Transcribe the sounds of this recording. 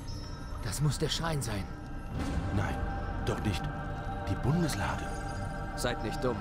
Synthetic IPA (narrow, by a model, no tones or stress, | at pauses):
d̥asmʊsd̥eːɐʃaɪnzaɪn | na̰ɪnd̥ɔχnɪçt | d̥iːbʊndəsla̰ːdə | z̥aɪtnɪçt̚d̥ʊm